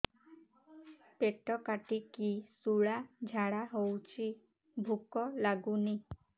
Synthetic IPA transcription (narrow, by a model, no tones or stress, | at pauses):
peʈɔkaʈikisuɭad͡ʒʱaɽaɦowt͡ʃʰi | bʱukɔlaɡuni